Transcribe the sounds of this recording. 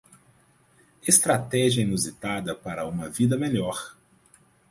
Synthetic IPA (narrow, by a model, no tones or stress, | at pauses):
est̪ɾat̪ɛʒiɐinuzit̪ad̪ɐpaɾɐũmɐvid̪ɐmeʎɔɾ